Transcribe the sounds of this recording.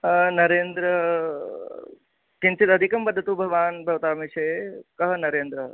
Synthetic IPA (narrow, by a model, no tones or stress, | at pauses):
nɐɾeːnd̪ɾɐ | kinsit̪ɐd̪ʱikɐmbɐd̪ʱːɐt̪ubʱɐʋaːnbʱɐʋɐt̪aːmiʂeːkɐɦɐnɐɾeːnd̪ɾɐ